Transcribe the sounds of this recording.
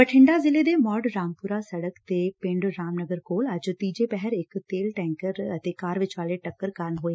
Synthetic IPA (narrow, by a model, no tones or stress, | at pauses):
pɐʈʰɪ̃ɳɖazɪled̪emɔːɖɾaːmpʊɾasɐɽəkt̪epɪ̃ɳɖɾaːmnəɡəɾkoːlɐd͡ʒʊt̪iːd͡ʑepɛɦɛɾɪkt̪eːlʈɛ̃ːŋkəɾt̪ekaːɾʋɪt͡ʃʋaːleʈɐkːəɾkaːɾənɦoːe